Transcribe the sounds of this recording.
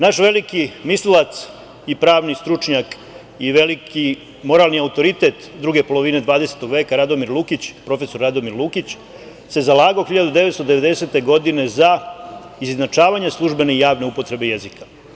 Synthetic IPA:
naʃʋe̞likimislilat̪s | ipɾaːʋnist̪ɾut͡ʃɲak | iʋe̞liki | mo̞ɾalˠniaut̪o̞ɾit̪e̞t̪d̪ɾuɡe̞polo̞ʋine̞d̪ʋaːd̪e̞se̞̥t̪o̞ɡʋe̞ːkaɾad̪o̞miɾlˠukit͡ɕpɾo̞fe̞so̞ɾːad̪o̞miɾlˠukit͡ɕ | se̞zalˠaːɡaoxiʎad̪ud̪eet̪st̪od̪e̞ʋed̪e̞se̞t̪e̞ɡo̞d̪ine̞za | iznat͡ʃaːʋaɲeslˠuʒbe̞neijaːʋne̞upo̞t̪ɾe̞be̞jezikḁ

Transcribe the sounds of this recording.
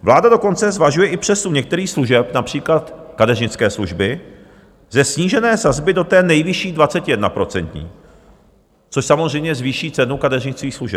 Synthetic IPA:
vlaːdado̞ko̞nt͡sɛzvaʒujɛʔɪpr̝̥ɛsuɲɛk̚t̪ɛɾiːxsluʒɛpnapr̥iːklat̪kadɛrɲɪt͡skɛːsluʒbɪ | zɛsɲiːʒɛnɛːsazbɪdo̞t̪ɛːnɛjvɪʃiːdvat͡sɛcɪjɛdnapɾo̞t͡sɛnt̪ɲḭː | t͡so̞ʃsamozrɛjmɲɛzviːʃiːt͡sɛnukadɛrɲɪt͡skiːxsluʒɛp̚

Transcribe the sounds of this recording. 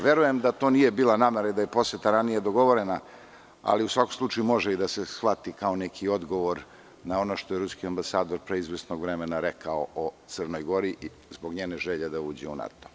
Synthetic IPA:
ʋje̞ɾuje̞md̪at̪o̞ːnije̞biːlˠanaːmeɾaid̪aje̞po̞set̪aɾanijed̪o̞ɡo̞ʋo̞ɾena | a̰liusʋako̞mslˠut͡ʃajumo̞ʒeid̪ase̞sxʋat̪ikao̞nekʰio̞d̪ɡo̞ʋoɾ | nao̞no̞ʃt̪o̞jeɾuskiambasaːd̪o̞ɾpɾeizʋesno̞ɡʋɾemenaɾekaoʔot̪sərno̞jɡo̞ɾiʔ | zbo̞ɡɲeːneʒeʎed̪auːd͡ʑeuna̰t̪o̥

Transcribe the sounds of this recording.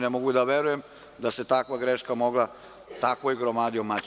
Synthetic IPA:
nemoɡuid̪aʋeɾujem | d̪aset̪akʋaɡɾeʃkamo̞ɡla | t̪akʋoiɡɾomaːd̪iomat͡ɕ

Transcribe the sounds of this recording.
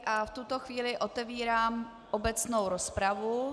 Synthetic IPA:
ʔaft̪ut̪o̞xviːlɪʔo̞t̪ɛviːɾaːm | ʔobɛt͡snowɾospɾavu

